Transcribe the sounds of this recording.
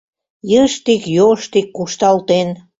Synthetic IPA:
jəʃt̪ikjoʃt̪ikːuʃt̪ɑlt̪en

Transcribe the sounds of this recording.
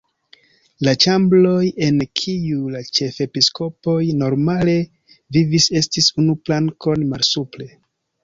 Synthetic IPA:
lat͡ʃamblo̞je̞nkʰiulat͡ʃe̞fe̞pisko̞po̞jno̞ɾmale̞ | vivise̞stisunuplaŋko̞nmalsuple̞

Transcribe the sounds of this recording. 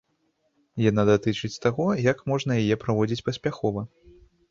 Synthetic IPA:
janad̪at̪ɨt͡ʂɨt͡sʲt̪aɣɔjɐkmɔʐnɐjajɛpɾavɔd͡zʲit͡sʲpɐsʲpʲaxɔvɐ

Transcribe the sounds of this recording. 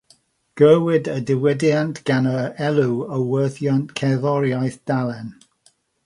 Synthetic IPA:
ɡ̥əːwɪdədɪwɛdjantʰɡ̥anəɛlˠuəwwəːθjɔntkʰɛðɔɾjajθd̥alˠɛn

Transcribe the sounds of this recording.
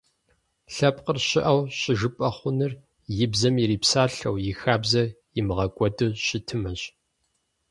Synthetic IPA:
ɬɐp̚ʼqərɕɪʔɐwɕɪʒɨpʼɐχʷʊnɨr | jɪbzɐmiɾiːpsaːɬɐ̰wjɪxaːbzɐ | jɪmɨʁɐkʷʼɔdʼɨɕɪtʰɨmɐɕ

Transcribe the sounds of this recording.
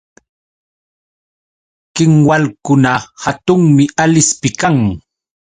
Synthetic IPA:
kɪŋwalkʊnahat̪ʊŋmɪalɪspɪkaŋ

